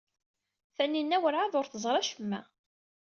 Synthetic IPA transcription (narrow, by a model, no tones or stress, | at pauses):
θænːinːæwəɾʕaðʊɾθəzˤɾˤɑʃəmːæ̰